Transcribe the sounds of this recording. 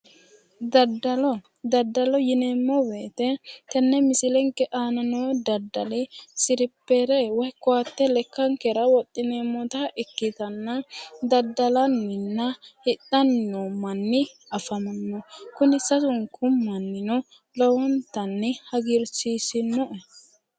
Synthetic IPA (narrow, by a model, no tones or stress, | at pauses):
d̪ɐd̪ɐlɔ | d̪ɐd̪ːɐlɔjɪneːmːɔbeːt̪ɛt̪ɛnːɛmɪsɪlɛŋkːɛʔaːnɐnɔwd̪ɐd̪ːɐlɪsɪɾɪpːeɾɛwɔjkːʊat̪ːɛlɛkːɐŋkɛɾɐwɔt̪ʼːɪneːmːɔt̪ɐʔɪkːɪt̪ɐnːɐd̪ɐd̪ːɐlɐnːɪnːɐhɪtːɐnːɔmɐnːɪ | ɐfɐmɐnːɔkʊnɪsɐsʊŋkʰʊmːɐnːɪnɔ | lɔwɔnt̪ɐnːɪhɐɡɪɾsiːsɪnːɔʔɛ